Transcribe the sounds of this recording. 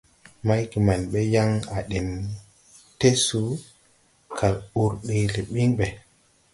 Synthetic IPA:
ma˦jki˨ma˨nɓe˦ja˦ŋa˨ɗe˨n | te˦su˨˦ | kʰa˨ɾu˨ɾɗi˨le˨ɓi˦ŋɓe˨

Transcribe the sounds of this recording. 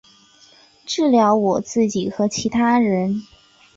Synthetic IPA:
ʈ͡ʂɻ̩˥˩ljɑ˧˥ʊwɔ˨˩t͡sɹ̩˥˩t͡ɕi˨˩xɤ˧˥t͡ɕʰi˧˥t̪ʰa˥ɻə˧˥n

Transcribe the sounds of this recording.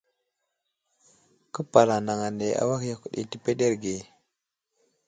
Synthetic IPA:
kə˦pa˨la˨na˨ŋa˨ne˨a̰˦wa˦kja˨ku˨ɗḭ˨ti˨pe˦de˦ɾɡe˨

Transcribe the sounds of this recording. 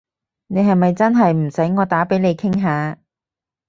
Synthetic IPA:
ne˨˧jɦɐ˨jmɐ˨jt͡sɐ˥nɦɐ˨jm̩˨˩sɐ˨˥jŋɔː˨˧t̪aː˨˥pe˨˥jne˨˧jkʰɪ˥ŋɦaː˨˧

